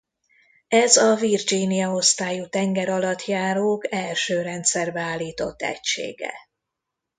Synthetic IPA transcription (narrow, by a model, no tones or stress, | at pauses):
ɛzɒvird͡ʒiːnijɒo̞st̪aːjut̪ɛŋɡɛɾɒlɒt̪ʰjaːɾoːkɛlʃøːɾɛnt̪sɛrbɛaːlːiːt̪o̞t̪ːɛ̰cʃḛːɡɛ̰